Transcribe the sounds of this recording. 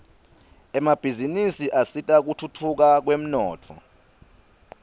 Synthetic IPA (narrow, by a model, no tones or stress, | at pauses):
ɛmab̥ʱizinisiʔasitʼak̬utʰutʰuk̬ak̬wem̩nɔːtʰɔ̰